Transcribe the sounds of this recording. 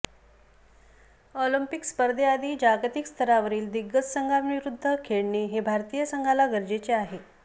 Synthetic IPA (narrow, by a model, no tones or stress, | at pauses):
olimpikspəɾd̪ʱead̪ʱiːd͡ʑaɡt̪ikst̪ʰəɾaʋəɾiːld̪iɡːət͡ssəŋɡʱaʋiɾud̪ʱːəkʰeɭɳeɦebʱaɾt̪ijəsəŋɡʱalaɡəɾd͡ʑet͡seaɦe